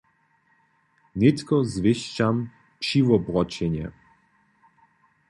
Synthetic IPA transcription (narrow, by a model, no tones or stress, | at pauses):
nit̪kɔzviʃt͡ʃam | ʃivɔbɾɔt͡ʃɛɲɛ̰